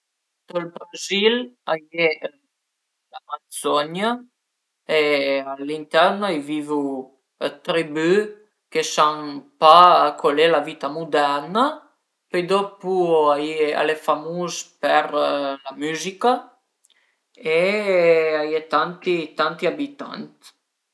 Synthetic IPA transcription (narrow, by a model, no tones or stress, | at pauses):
t̪olbɾazilaje | lamasɔɲa | ealint̪ɛɾnajvivu | t̪ɾiby | kesaŋpakʰolelavit̪amud̪ɛɾna | pejd̪ɔpuajea̰lefamuzpeɾlamyzika | e | ajet̪ant̪it̪ant̪iabit̪a̰nt̪